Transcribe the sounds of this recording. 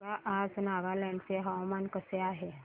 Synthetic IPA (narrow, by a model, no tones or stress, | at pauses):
aʔad͡znaʋalaɳseɦəʋmankəseaɦe